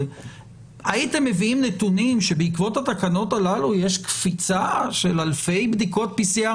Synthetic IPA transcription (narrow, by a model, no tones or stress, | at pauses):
ait̪e̞mːe̞viimnet̪unimʃebeikvo̞t̪hat̪akano̞t̪alaluje̞ʃkfit͡saʃe̞lalfe̞jbd̪iko̞t̚pisia